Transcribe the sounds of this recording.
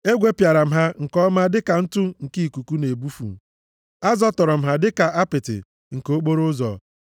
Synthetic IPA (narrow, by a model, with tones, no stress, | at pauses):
e˦ɡʷe˦pja˨ɾa˨m̩˦ɦa˦ŋ̩˨kɔ˦ma˦dɪ˦ka˨n̩˦tʊ˦ŋ̩˨ki˦i˨ku˨ku˦ne˨bu˦fṵ˨ | a˦zɔ˦tɔ˨ɾɔ˨m̩˦ɦa˦dɪ˦ka˨ʔa˦pɪ˨tɪ̰˨ | ŋ̩˨ko˦k͡po˦ɾo˦zɔ̰˨